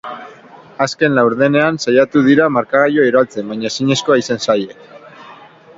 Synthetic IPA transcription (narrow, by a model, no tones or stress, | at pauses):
aske̞nlawɾðe̞ne̞ansajat̪uðiɾamaɾkaɣajo̞eɾoalt͡se̞mbaɲasiɲe̞sko̞aisansajek